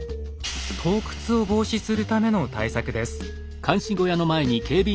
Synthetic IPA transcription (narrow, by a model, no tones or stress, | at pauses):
t̪ʰo̞ːkɯ̥t͡sɨo̞bo̞ːɕisɨɾɯ̟t̪ame̞no̞t̪aisakɯ̟d̪e̞sɨ̥ | kʰãɰ̃ɕĩɡo̞jano̞mae̞ɲ̟ikʰe̞ːbʲi